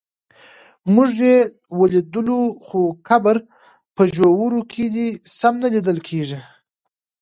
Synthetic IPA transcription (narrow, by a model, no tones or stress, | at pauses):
mʊʒje | wəlid̪əloxokabəɾ | pəʒowuɾokʰed̪isamnalid̪əlkʰeʐi